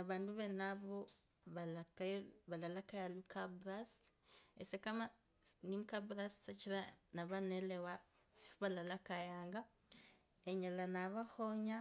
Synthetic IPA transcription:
aβaːnduβenaβo | βalakajβalalakajalukabɾas | esekama | nimukabɾassat͡ʃiɾanaβanelewa | fuβalalakajaːŋɡa | eɲalanaβaxoɲa

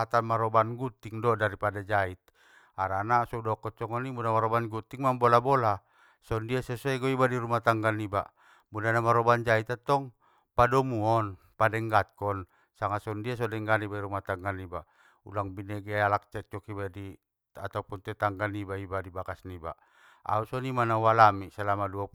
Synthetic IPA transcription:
at̪anmaɾɔbanɡut̪iŋdɔdaɾipadad͡ʒait̪̚ | aɾanasɔudɔkɔt͡ʃɔŋɔnimudamaɾɔbanɡut̪iŋmambɔlabɔla | sɔndiasɛsɔɛɡɔibadiɾumat̪aŋɡaniba̰ʔ | mudanamaɾɔband͡ʒait̪at̪ɔŋ | padɔmuɔn | padɛŋɡat̪̚kɔn | saŋasɔndias̬ɔdɛŋɡanibaiɾumat̪aŋɡaniba | ṵlaŋbinɛɡɛalak̚t͡ʃɛk̚t͡ʃɔkibadi | at̪aupunt̪ɛt̪aŋɡanibaibadibakasniba̰ | a̰usɔnimanawalamisalamadua

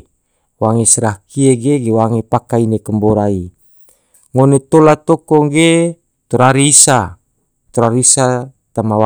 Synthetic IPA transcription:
waŋesəɾahkieɡeɡewaŋepakainekəmboɾai | ŋonet̪olat̪okɔŋɡe | t̪ɔɾaɾiːsa | t̪ɔɾaɾiisa | t̪amawa

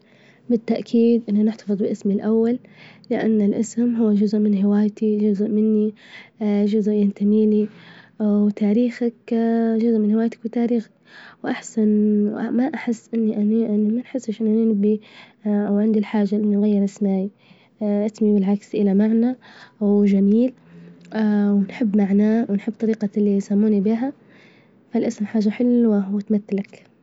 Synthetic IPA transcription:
bɪt̪ːaʔkʰiːd̪ʔɪnːanɪħt̪ɑ̥fɨðˤbɪʔɪsmɪlʔawːalːɪʔa̰nːɪlʔɪsmɦʊwːad͡ʒʊzʊʔmɪnɦɪwaːjt̪id͡ʒʊzʔmɪnːi | ʒʊzʔjant̪amiːli | wt̪aːɾiːxakʒʊzʊʔmɪnhɪwaːjt̪ḁkwɪt̪aːɾiːxḁkwʔaħsanamaʔaħɪsːʔɪnːiʔaniʔɪnːimanħɪsːɪʃʔɪnːanɪnɪbːi | ʔawʕɪnd̪ilħaːʒːalʔɪnːinɣajːɪɾʔɪsmaːj | at̪miwɪlʕaksʔɪlamaʕnawʒamiːl | wnħɪbːmaʕnaːwnħɪbːt̪ˤɑɾiːqɑlːisamːuːnibiːɦa | falʔasmħaːʒːaħɪlwawɪt̪mat̪ːalak

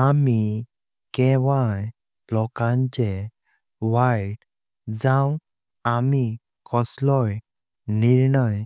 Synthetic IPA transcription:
ami | kɛ̃ʋaj | lɔkãɲt͡ɕe | ʋajʈ | d͡zãw | ami | kʰɔslɔj | niɾɳəj

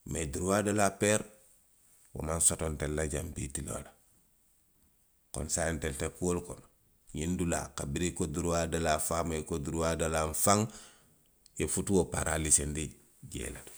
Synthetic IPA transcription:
meduɾuwadolapeɾ | wo̰mansotontelːaɟampitilo̰la | ko̰nsajenteltekuwolkon | ɲindula̰kabiɾikoduɾuwadalafamekoduɾuwadalaɱfaŋ | efutuwopa̰ɾalisendi | ɟḛlad

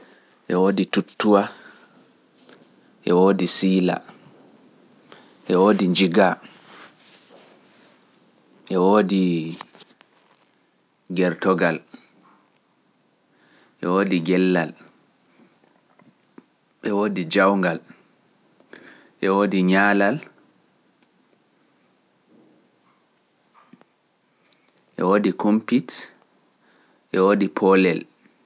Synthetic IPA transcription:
ʔɛwoːditutːuwa | ʔɛwoːdisiːla̰ | ʔɛwoːdiɲd͡ʒiɡa | ʔɛwoːdi | ɡɛɾtɔɡal | ʔɛwoːdiɡɛlːal | ʔɛwoːdid͡ʒawŋɡal | ʔɛwoːdiɲaːlal | ʔɛ̰woːdikompit | ʔɛwoːdipʰɔlɛl

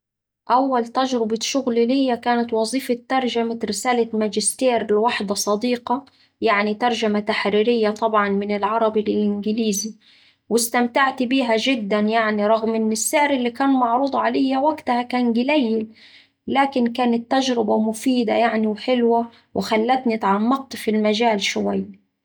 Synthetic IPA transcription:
ʔawːalt̪aʒɾɪbaʃʊɣlilɪjːakaːnat̪wɑzˤiːfɑt̪ːɑɾˤʒamaɾɪsaːlamad͡ʒɪst̪eːɾɪlwaħd̪ɑsˤɑd̪iːqɑ | jaʕnit̪ɑɾˤʒamat̪aħɾiːɾɪjːat̪ˤɑbʕɑnmɪnɪlʕɑɾˤɑbillʔɪnɡɪliːzi | wɪst̪amt̪aʕt̪biːɦaʒɪd̪ːanjaʕniɾˤɑɣmʔɪnːɪsːɪʕɾɪlːikaːnmɑʕɾuːd̪ˤʕalajːawaɡt̪ahakaːnɡɪlajːɪl | laːkɪnkaːnat̪ːaʒɾɪbamʊfiːd̪a̰jaʕniwħɪlwa | wʔɪxalːat̪nit̪ʕɑmːɑq̚t̪filmaʒaːlʃʊwajː

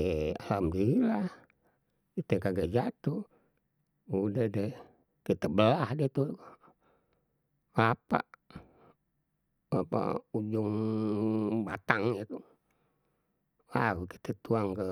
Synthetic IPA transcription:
alamdiilah | it̪ekaɡaʔd͡ʒat̪u | udəhde | kit̪əbəlahdet̪uk | apa̰ʔ | apa̰ud͡ʒuŋ | bat̪aŋjət̪u | laɡuki̥t̪et̪uaŋkə

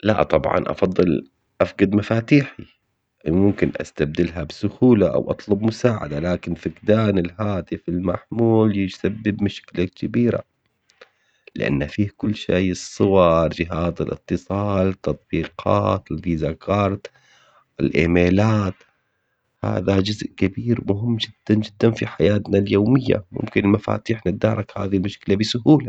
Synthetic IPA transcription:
la̰ʔt̪ˤɑbʕɑ̰nʔɑ̰fɑd̪ˤːɨl | ʔafɡad̪mafaːt̪iːħi | mʊmkɪnʔa̰st̪ab̚d̪ɪlɦabsʊxuːlaʔa̰wʔɑt̪ˤlʊbmʊsaːʕa̰d̪alaːkɪnfɪkd̪aːnɪlɦaːt̪ɪfɪlmaħmuːljɪd͡ʒsabːɪbmʊʃklakkɪbiːɾa̰ | lɪʔa̰nːafiːhkʊlːʃejɨsˤːʊwɑɾˤd͡ʒɪɦaːzɪlʔɨ̰t̪ːɨsˤɑːlt̪ɑt̪ˤbiːqʰɑ̰ːt̪ɪlviːzakʰɑːɾˤt̪ | ɪ̰lʔeːmeːlaːt̪ | ha̰ːðad͡ʒʊzʔkabiːɾmʊɦɪmːd͡ʒɪd̪̥ːand͡ʒɪd̪ːanfiħajaːt̪naljoːmɪjːa̰mʊ̰mkɪnɪlmafa̰ːt̪iːħnɪd̪ːaːɾˤɑkha̰ːðilmʊʃkɪlabɪsʊɦuːla

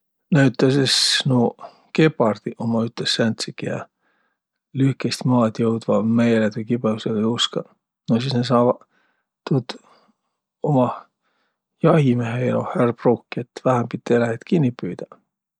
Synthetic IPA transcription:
næyt̪ːˑɑsesnu | ke̞pɑrd̪̥iʔomɑyt̪ˑːesːænt̪sikijɑ̰ | lyhkest̪mɑːd̪jɤwd̪vɑmejelet̪ujkibeuselejuskɑ̰ | nosisnesɑːvɑ | t̪ut̪ | omɑ | jɑhimeɦeelo̰hærb̥rukːiet̪væhæmpit̪ʲːelæhet̪kinʲːipyːd̪̥ɑ̥

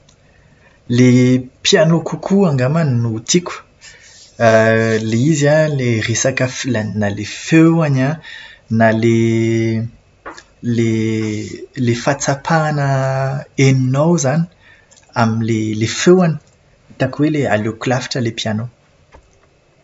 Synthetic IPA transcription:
lepjanokukʰuaŋɡamaninut̪ikʲu̥ | leizaleresakəflanalefewananale | le | lefat͡sapʰanə | eninowzani̥ | aminlelefewani̥ | it̪akwelea̰loklafi̥ʈ͡ʂəlepijano

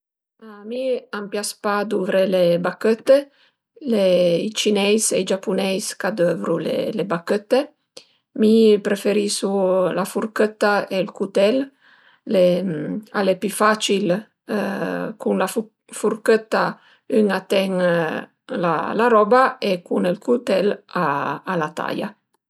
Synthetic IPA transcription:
amiampjaspad̪uvɾelebakət̪ːe | leit͡ʃinɛjsejd͡ʒapunɛjskad̪øvɾulḛlebakət̪ːe | mipɾefeɾisulafuɾkət̪ːaelkut̪ɛlː | e | alepyfat͡ʃil | kunlaf | fuɾkət̪ːa | yŋat̪ɛŋ | la̰laɾɔbaekunelkut̪ɛlaːlat̪a̰ja̰

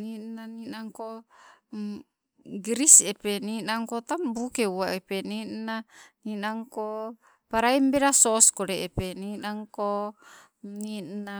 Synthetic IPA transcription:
ninaninaŋko | ɡɾisepeninaŋkot̪ambukeuaʔepeninaninaŋko | paɾaimbeɾasoskodeːpeninaŋko | nina

